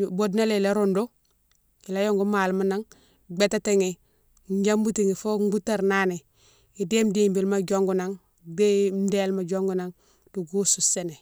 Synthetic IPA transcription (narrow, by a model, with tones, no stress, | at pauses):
bodna˦le˨la˦ɾondo˦ | i˨la˦jo˦ŋɡu˦ma˨lma˦na˦ŋ | ɡ͡beta˦teŋe˨ | ɲɟa˦mbu˦tiŋi˨fo˦ŋɡu˦ta˨ɾnaːne˨ | i˨de˦mdimbi˨lma˦ɟoŋɡu˨naŋ | de˦mdelma˨ɟo˦ŋɡuna˦ŋ | d̥u˨ɡu˦susene˨